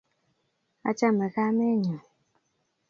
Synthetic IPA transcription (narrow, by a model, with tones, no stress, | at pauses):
a̰˦t͡ʃa˦mɛ˨ka˦mɛ˦ɲa˨